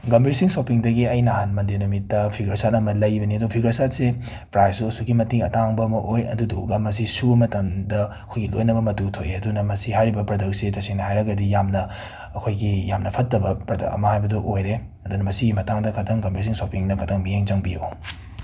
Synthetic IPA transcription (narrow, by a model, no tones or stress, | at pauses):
ɡɐmbɾisiŋsopiŋdɐɡiɐjnɐɦanmɐndenumitːɐpʰiɡɐsatɐmɐlɐjbɐniɐdupʰiɡɐsatse | pɾajsusuɡimɐtiŋɐ̰taŋbɐːmɐʔojɐ̰dudo̰ɡɐmɐsisubɐmɐtɐmdɐɐkʰojɡilo̰jnɐbɐmɐtutʰojɐdunɐmɐsihajɾibɐpɾɐdɐk̚setɐsiŋnɐhajɾɐɡɐdijamnɐ | ɐkʰojɡijamnɐpʰɐtːɐbɐpɾɐdɐ̰kɐ̰mɐhajbɐduʔojɾe | ɐdunɐmɐsiɡimɐtaŋdɐkʰɐtʰɐŋɡɐmbɾis̬iŋsopiŋnɐkʰɐtʰɐŋmijeŋd͡ʒɐŋbija̰w